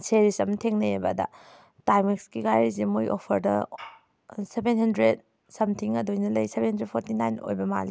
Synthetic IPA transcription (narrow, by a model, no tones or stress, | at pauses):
seɾisɐmtʰeŋnɐebɐ̰dɐ̰ | tajmikskiɡajɾizimujʔopʰɐɾdɐ | sebenhɐndɾed̚ | sɐmtʰiŋɐdojnɐlɐjsebenhɐndɾed̚pʰoɾtinajno̰jbɐma̰li